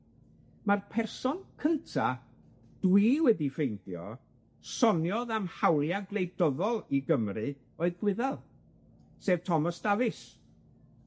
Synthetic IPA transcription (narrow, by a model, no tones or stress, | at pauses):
marpʰɛrsɔnkʰəntʰa | d̥wiwɛdifejnθjɔ̰ | sɔnjɔðamhawlˠjaɡlˠejdɔðɔlˠiɡəmrɨ | oːɨðɡ̥wɪðɛlˠ | seːvtʰɔmɔsd̥avɨs